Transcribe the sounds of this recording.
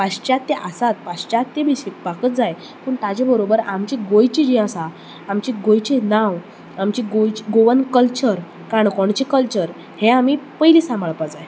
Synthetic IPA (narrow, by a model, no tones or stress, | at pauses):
paɕt͡ɕat̪ːeʔasat̪̚paɕt͡ɕat̪ːebiɕekpakət̪d͡zaj | puːɳt̪ad͡ʑebəɾobəɾamt͡ɕiɡojt͡ɕid͡ʑiəsaː | mt͡ɕiɡojt͡ɕenaw | amt͡ɕiɡojt͡ɕiɡoʋənkəlt͡ɕəɾ | kaɳkɔɳt͡ɕikəlt͡ɕəɾ | heamipəjliːsãməɭpad͡zaj